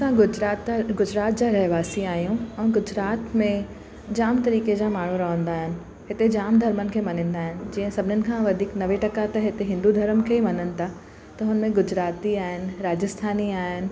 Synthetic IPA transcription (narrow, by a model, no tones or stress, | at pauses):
sãɡʊd͡ʑɾaːt̪ɡʊd͡ʑɾaːt̪̚d͡ʑaːɾɐɦʋaːsiaːɦijũɛ̃ːɡʊd͡ʑɾaːt̪mẽ | d͡ʑaːmt̪ɐɾiːked͡ʑaːmaːɳ̤uɾɐɦə̃nd̪aːɦɪnɪ̆ | hɪt̪ed͡ʑaːmd̪ʱɐɾmənɪ̆kʰeːmɐn̤ĩːnd̪aːɦɪnɪ̆d͡ʑĩːə̃sɐbʱɪnənɪ̆kʰãʋɐd̪ʱiːknɐʋeʈɐkat̪ɐɦɪt̪eɦɪ̃nd̪ud̪ʱɐɾəmkʰemɐnənɪ̆t̪ʰa | t̪ɐɦʊnəmẽɡʊd͡ʑɾaːt̪iaːɦɪnɪ̆ɾaːd͡ʑəst̪ʰaːniaːɦɪnɪ̆